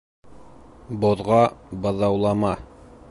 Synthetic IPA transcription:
boðʁɑbɤ̆ðɑwlˠɑmɑ

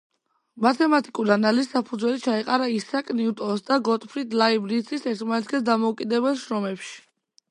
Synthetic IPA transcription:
mat̪ʰɛmat̪ʼikʼuɾanalissapʰud̪zwɛlit͡ʃʰaɛqʼaɾaisakʼniut̪ʼɔsd̪aɡɔt̪ʼpʰɾit̪ʰʼlaibɾit̪sʰisɛɾt̪ʰmanɛt̪ʰkʰʼɛsd̪amɔukʼid̪ɛbɛlˠʃɾɔmɛpʃi̥

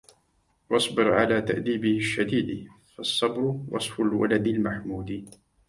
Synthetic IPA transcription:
wɑsˤbɪɾʕalaːt̪a̰ʔd̪iːbɪhɪʃːad̪iːd̪fɑsˤːɑbɾʊwʔɑ̰sˤfʊlwa̰lad̪almaħmuːd̪i

